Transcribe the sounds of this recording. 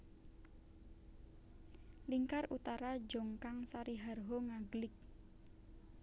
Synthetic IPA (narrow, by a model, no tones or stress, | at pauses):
liŋkarut̪aɾad͡ʒɔŋkaŋsaɾiɦarɦɔŋaɡlɪk̚